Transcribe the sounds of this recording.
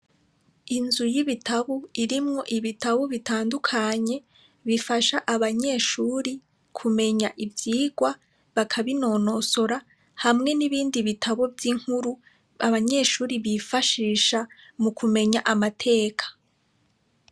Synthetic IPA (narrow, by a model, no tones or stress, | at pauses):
inzujiβitʰaβoiɾimŋo̞ʔiβitaβoβitaːndukʰaɲe̞ | βifaʃaʔaβaɲe̞ːʃuːɾi | kʰume̞ɲaʔivjiːɡwa | βakʰaβino̞ːno̞so̞ɾa | hamŋe̞niβiːndiβitʰaβo̞vjiŋ̥huɾu | aβaɲe̞ːʃuːɾiβifaʃiːʃamukʰume̞ɲaʔamatʰe̞ːkʰḁ